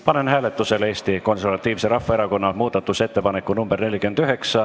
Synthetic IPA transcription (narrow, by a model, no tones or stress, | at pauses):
pɑne̞nɦæːle̞t̪ːˑuse̞le̞ːst̪iko̞nservɑt̪ːˑiːvseɾɑfːɑeɾɑko̞nːɑmuːd̪̥ɑt̪ːˑuse̞t̪ːe̞pɑnekːˑunumb̥erne̞lʲːikyend̪yɦe̞ksɑ